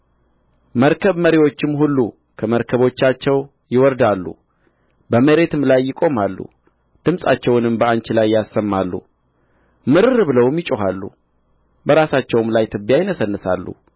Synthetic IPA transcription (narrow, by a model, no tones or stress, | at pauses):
məɾkʰəβməɾiwo̞t͡ʃːɪmhulːṵ | kʰəməɾkʰəβo̞t͡ʃːat͡ʃːɛw | jɪwɔɾd̪alːṵ | bəməɾe̞t̪ɨmlajːɪkʼo̞malːṵ | d̪̥ɨmsʼat͡ʃːɛwnɨmbəant͡ʃɪlajːasːəmːalːṵ | mɨɾɨɾbɨləwmjɪt͡ʃʼoɦalːṵ | bəɾasat͡ʃːɛwɨmlajt̪ʰɨbijajɪnəsənːɨsa̰lːṵ